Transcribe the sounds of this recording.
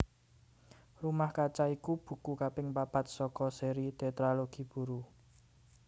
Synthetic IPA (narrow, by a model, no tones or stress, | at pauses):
rumahkat͡ʃaikub̥ṳkukapɪŋpab̥a̤t̪̚sɔkɔseɾit̪et̪ɾaloɡ̥i̤b̥ṳɾu